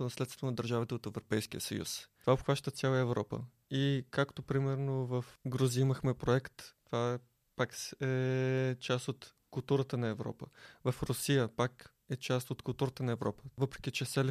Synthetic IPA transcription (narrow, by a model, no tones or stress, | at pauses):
onɐslɛt̪t̪onɐd̪əɾʒavit̪ɛot̪ɛvɾopɛjsk̟ijəsə̰jṵsovaopxvaʃt̪ət̪sʲjalˠəəɛvɾɔpə̰ | ikakt̪opɾimɛɾnovəfɡɾuziiməxmɛpɾoɛkt̪t̪va | paksɛt͡ʃast̪ot̪ | kʊlˠt̪uɾət̪ənɐɛvɾɔ̰pəvɐfɾʊsijəpak | ɛt͡ʃast̪ot̪kʊlˠt̪uɾət̪ənɐɛvɾɔpə̥vɤpɾɛ̥k̟ʲit͡ʃɛsɛl